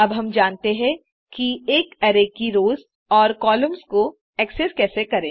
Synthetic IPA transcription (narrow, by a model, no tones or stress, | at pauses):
ɐbɦɐmd͡ʒaːnt̪eɦɛ̃ | kieːkɐɾeːkiɾoːz | ɔːɾkɔːləmzko | ɛːkseskɛːsekɐɾẽː